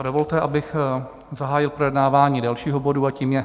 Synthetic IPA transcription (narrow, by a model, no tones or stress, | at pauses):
dovo̞lt̪ɛʔabɪx | zaɦaːjɪlpɾojɛdnaːvaːɲiːdalʃiːɦobo̞duaciːmjɛ